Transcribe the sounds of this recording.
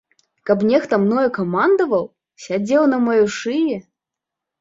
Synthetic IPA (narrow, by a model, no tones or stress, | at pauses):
kɐpnʲɛxt̪ɐmnɔjɛkɐmand̪ɐvɐw | sʲad͡zʲɛwnɐmɔjuʂɨjɛ